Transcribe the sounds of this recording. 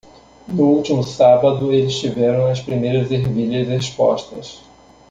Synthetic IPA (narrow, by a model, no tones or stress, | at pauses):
nʊuwt͡ʃimʊsabɐd̪ʊelɪst͡ʃivɛɾɐ̃w̃ɐspɾimejɾɐzeɾviʎɐzdespɔ̰ʃt̪ɐs